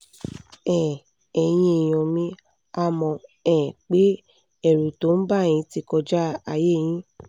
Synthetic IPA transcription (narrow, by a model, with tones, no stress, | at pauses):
ɛ̃˨ | ɛ˨j̃ĩ˧e˨j̃ɔ̃˨mĩ˦ | a˦mɔ̃˧ɛ̃˨k͡pe˨˦ | ɛ˦˨ɾu˨to˨˦n̩˦ba˦˨j̃ĩ˧ti˧kɔ˧d͡ʒa˦a˧je˦˨j̃ĩ˦